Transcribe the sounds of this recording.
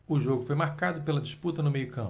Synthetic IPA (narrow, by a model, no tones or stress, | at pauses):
ʊʒoɡʊfojmaɾkad̪ʊpelɐd͡ʒisput̪ɐnʊmejʊkɐ̃mp